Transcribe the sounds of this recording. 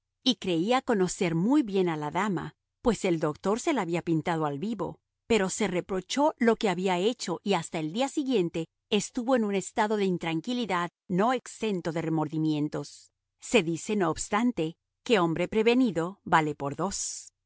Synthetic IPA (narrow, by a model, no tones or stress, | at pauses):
ikɾe̞iako̞no̞se̞ɾmujβje̞nalaðama̰ | pwe̞se̞ld̪o̞k̚t̪o̞ɾse̞laβiapint̪að̞o̞alβiβo̞̰ | pe̞ɾo̞se̞re̞pɾo̞t͡ʃo̞lo̞ke̞aβiae̞t͡ʃo̞ʔiast̪ae̞ld̪iasiɣje̞nt̪e̞ː | st̪uβo̞enune̞st̪aðo̞ðe̞int̪ɾaŋkiliðað | no̞ekse̞nt̪o̞ðe̞remo̞ɾðimje̞nt̪o̞sː | e̞ðise̞no̞ːbst̪ant̪e̞ | ke̞o̞mbɾe̞pɾe̞βe̞niðo̞βale̞po̞ɾðos